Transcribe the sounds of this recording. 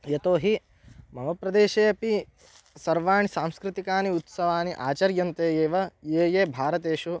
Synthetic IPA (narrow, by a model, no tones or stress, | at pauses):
jɐt̪oːɦi | mɐɦɐpɾɐd̪eːʃeːɐpi | sɐɾʋaːɳisaːmskɾɪt̪ikaːniut̪sɐʋaːniʔaːt͡ʃɐɾjɐnt̪eːjeːʋɐjeːjeːbʱaːɾɐt̪eːʃu